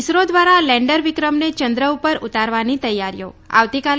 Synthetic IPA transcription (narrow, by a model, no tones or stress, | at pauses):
sɾod̪ʋaɾalɛ̃ɳɖəɾʋikɾəmnet͡ʃənd̪ɾəupəɾut̪aɾʋanit̪əjːaɾjo̰a̰ʋt̪ikal